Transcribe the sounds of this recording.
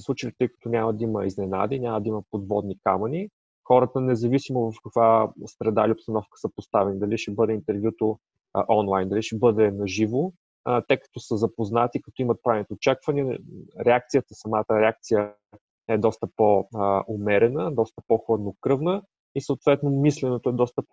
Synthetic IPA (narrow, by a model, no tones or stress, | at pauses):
slˠut͡ʃəlit̪ɤjkɐ̥t̪ɔnʲaməd̪əiməiznɛna̰d̪inʲaməd̪əiməpod̪vɔd̪nika̰mɐni | xɔɾət̪ənɛzɐvisimovɐfkəkvasɾɛd̪ailʲiopst̪ɐnɔfkə̥səpost̪avɛnid̪ɐliʃɛbɤd̪ɛint̪ɛɾvjut̪o̰ | ʔɔnlˠajnd̪ɐliʃɛbɤd̪ɛnɐʒivo | t̪ɛkə̥t̪ɔsəzɐpoznat̪ikɐt̪ɔimət̪̚pɾavɛnit̪oːt͡ʃakvəniəɾɛak̚t̪sijət̪əsɐmat̪əɾɛak̚t̪sijə | ɛd̪ɔst̪əpoʔomɛɾɛnəd̪ɔst̪ə̥poxɤd̪nokɾɤvnə | isəot̪vɛt̪nomislɛnot̪oɛd̪ɔst̪əp